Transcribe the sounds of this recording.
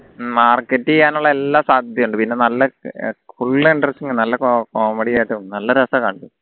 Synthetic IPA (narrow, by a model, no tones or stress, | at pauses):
maːrkːɐtːiɲaːnuɭːɐelːaːsaːd̪ʱjɐmuɳɖɨpinːe̞nɐlːɐfuɭːiɳɖrɐsʈiŋɡɨnɐlːɐkokoːmeɽijaːjʈːɨnɐlːɐɾɐsɐkɐɳɖu